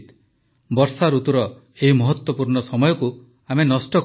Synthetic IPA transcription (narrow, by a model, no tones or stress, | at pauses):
t̪ | bɔɾsaɾut̪uɾɔ | eɦimɔɦɔt̪wɔpuɾɳɔsɔmɔjɔku | amenɔsʈɔ